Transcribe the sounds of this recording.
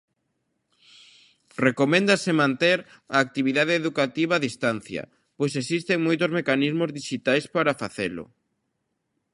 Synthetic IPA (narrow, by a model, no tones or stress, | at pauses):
rekomẽnd̪asɪmãnt̪eɾ | aːk̚t̪iβiðaðeːðukat̪iβ̞aːðist̪anθjɐ̰ | pojsesist̪eŋmojt̪ozmekanizmozðiʃit̪ajspaɾafaθelʊ̰